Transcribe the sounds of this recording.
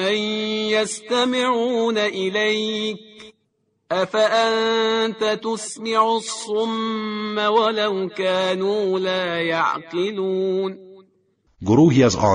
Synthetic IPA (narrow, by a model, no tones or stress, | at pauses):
ajjast̪amɪʕuːnaʔɪlajk̚ | ʔafaʔant̪at̪ʊsmɪʕʊsˤːʊmːawalawkaːnuːlaːjɑʕqɨluːn | ɡʊɾuːhɪjazʔɑ̰ː